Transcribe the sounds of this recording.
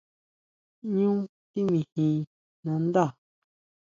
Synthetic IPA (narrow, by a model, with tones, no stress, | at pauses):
ɲũ˦t̪i˦mĩ˨hĩ˧ | nã˧nd̪a˦˨